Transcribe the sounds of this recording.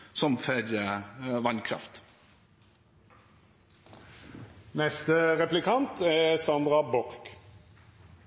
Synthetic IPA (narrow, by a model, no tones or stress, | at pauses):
sɔmfœɾjəʋɑnkʰɾɑ̰ft̪ | nɛst̪əʁɛplɪkʰɑnt̪ʰɛsɑnd̪ʁɑbɔʁk